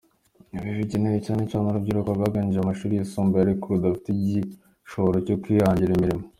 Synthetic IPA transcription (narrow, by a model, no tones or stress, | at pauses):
βiʒiɟineɾicaːnet͡ʃaːnaɾubɟiːɾokaɡaɡaɲiʒamaʃuɾijisuːmbeaɾikuɾudafi̥tiɟi | ʃoɾocokʷiːhaːɲɟiɾimiɾimo